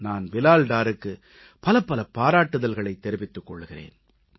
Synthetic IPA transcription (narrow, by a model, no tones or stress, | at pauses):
naːnʋɪlaːlɖaːɾɯkːɯ | pɐlɐpːɐlɐpaːɾaːʈːɯðɐlɣɐɭɐɪt̪ːɛɾɪʋɪt̪ːɯkːɔ̰ɭːɯɣɪrḛːn